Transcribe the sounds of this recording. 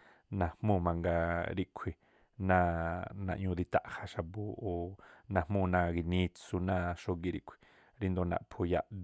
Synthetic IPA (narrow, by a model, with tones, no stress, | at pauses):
nã˨mmũ˦˨mã˧ŋɡa˧ɾi˧ʔkʷʰi˨ | nãː˦˧˨nã̰˧ʔɲũ˧d̪i˧t̪a̰˧˨ʔha˧ʃa˧bu˧o˨nã˧hmũ˦˨˧nã˦˧ɡi˧nĩ˦t͡su˧nã˦˧˨ʃo˦ɡi˧ɾḭ˧ʔkʷʰi̥˨ | ɾi˦nd̪o˧nã̰˧ʔpʰo˧ja˧˨ʔ